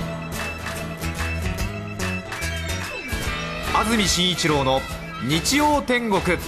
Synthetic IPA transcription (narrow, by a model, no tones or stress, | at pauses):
azɨmʲiɕĩɰ̃it͡ɕiɾo̞ːno̞ | ɲ̟it͡ɕijoːt̪ẽ̞ŋɡo̞kɯ̟